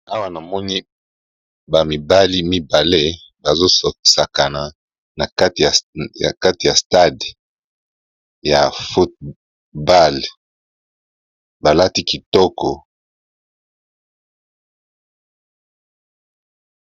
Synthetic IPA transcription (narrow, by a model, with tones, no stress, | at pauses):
a˦wa˦na˨mɔ˦ni˦ | ba˨mi˨ba˦li˦mi˦ba˨le˦ | ba˨zo˦sɔ˨i˨sa˨ka˨na˨ | na˨ka˦ti˨a˨a̰˨ka˦ti˨ja˨sta˦˨d | ja˨fo˦t̚ | ba˦˨l | ba˨la˦ti˦ki˨tɔ˦kɔ˨